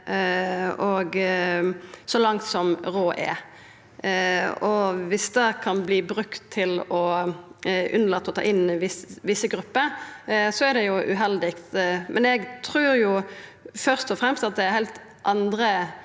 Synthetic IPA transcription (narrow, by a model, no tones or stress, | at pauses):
ɔɡ | sɔlɑŋt̪sɔmʁoːʔɛ̰ | ɔʋɪsd̪ɛkʰɑnbliːbɾʉkt̪ʰːɪlɔ | ʔʉ̰nəlɑt̪ːɔt̪ʰɑ̰ːʔɪnʋɪsʋɪsːəɡɾʉpːəɾsɔæd̪ɛjʊʔʉ̰ɦɛld̪ɪk̚t̪mʔɛnɛɡt̪ʰɾʉːɾjʊfœʁst̪ɔfɾɛmst̪ɑt̪̚d̪ɛæhæɪlt̪ | ʔɑnd̪ɾə